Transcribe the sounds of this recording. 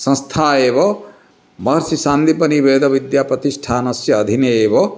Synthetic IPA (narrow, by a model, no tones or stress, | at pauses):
sʌ̃nst̪ʰaːebʌ | mʌɦɾsisand̪ipʌnibeːd̪ʱɐbid̪japɐt̪isʈʰaːnʌsjɐːd̪ʱineeːbʌ